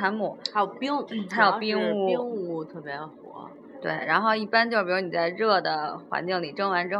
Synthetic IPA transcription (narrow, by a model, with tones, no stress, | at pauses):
a˧˥nmu˨˩˦jo˨˩ʊpi˥ŋʰ˥a˧˥ɪjo˨˩pi˥ŋu˥˩˥ŋu˥˩t̪ʰɤ˥˩pjɛ˧˥xwɔ̰˧˥ | t̪wḛ˥˩ɪɻa˧˥nxo˥˧ʊi˥˩pa˥nt͡ɕjʊʂ̩˥˧˩u˧˥˩ni˨˩t͡sa˥˧ɪɻɤ˥˩d̪ə˩xwa̰˧˥nt͡ɕi˥˩ŋli˨˩ʈ͡ʂɤ˥˩ŋwa˧˥nʈ͡ʂɻ̩˥˩